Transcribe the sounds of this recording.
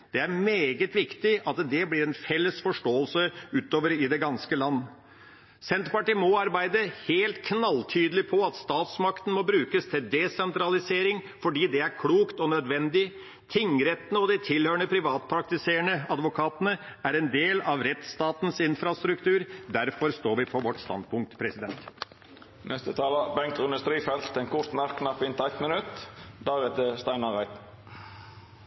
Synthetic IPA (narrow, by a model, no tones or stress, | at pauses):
d̪̥ɛæɾmeːɡət̪ʋɪkt̪ɪʔɑt̪d̪ɛblɪɾɛnfɛlːəsfɔʂʈoːəlsəʉːt̪oːʋəɾɪd̪ɛɡɑnskəlɑnː | sɛnt̪pɑʈiːmɔɑɾbæɪd̪əheːlt̪kʰnɑlt̪ʰyːd̪əlɪpʰɔɑt̪st̪ɑːt̪smɑkt̪ən̩mɔbɾʉːkəst̪ʰɪld̪ɛsɛnt̪ɾɑlɪseːɾɪŋ | fɔɖiːd̪ɛæɾkʰluːkt̪ɔnœd̪ʋɛnd̪ɪ | t̪ʰɪŋɾɛt̪ːnəɔd̪ɛɪt̪ʰɪlhøːɳəpʰɾɪʋɑːt̪̚pʰɾɑk̚t̪ɪseːəɳəɑd̪ʋʊkʰɑːt̪ənəæɾɛnd̪eːlɑʋɾɛt̪st̪ɑːt̪nsɪnfɾɑst̪ɾʉkt̪ʰʉːɾd̪æɾfɔɾst̪oːɾʋɪpʰɔʋɔʈst̪ɑ̰nd̪pʰʊŋkt̪pʰɾɛsɪd̪ɛnt̪ | nʔɛst̪ət̪ʰɑːləbɛŋkt̪ʏnd̪ʉst̪ɾiːfɛlt̪ɛnkʰʊɾt̪mæɾkʰːnɑpːɪnt̪æɪt̪mənʉt̪d̪æɾɛt̪əst̪æɪnɑʁæɪt̪